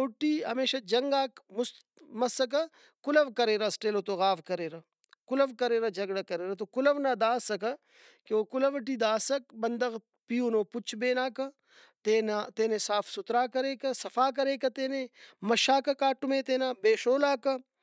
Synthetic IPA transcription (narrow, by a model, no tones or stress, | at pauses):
oːʈiːɦɐ̰meːʃad͡ʒɐŋɡaːmʊs | mɐsɐk̬ɐ | kʊlɐʋkɐɾeːɾɐsʈeːloːt̪oɣaːʋkɐɾeːɾɐ | kʊlɐʋkɐɾeːɾɐd͡ʒɐɡɽɐkɐɾeːɾɐt̪okʊlɐʋnad̪aːsɐkɐ | keoːkʊlɐʋʈ̬iːd̪aːsɐk̚bɐnd̪ɐɣ | pijuːnoːpʊt͡ʃʰbeːnaːkɐ | t̪eːnat̪eːnesaːfʰsʊt̪ɾaːkɐɾeːkɐsɐfaːk̬ɐɾeːkɐt̪eːnemɐʃaːkɐkaːʈʊmẽːt̪eːnaːbeːʃoːlaːkɐ